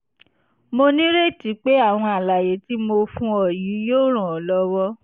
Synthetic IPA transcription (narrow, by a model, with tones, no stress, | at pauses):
mo˧nĩ˦ɾe˦˨ti˨˦k͡pe˦a˦˨w̃ɔ̃˧a˨la˨je˨˦ti˦mo˧fũ˧ɔ˨ji˨˦joː˦˨ɾ̃ã˨ɔ˨lɔ˧wɔ˦